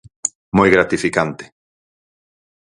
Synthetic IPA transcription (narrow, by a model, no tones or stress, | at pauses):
mojɣɾat̪ifikant̪ɪ̥